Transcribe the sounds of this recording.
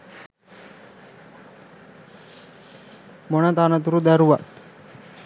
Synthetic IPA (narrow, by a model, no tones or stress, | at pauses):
moɳat̪anət̪̬uɾud̪aɾuʋat̪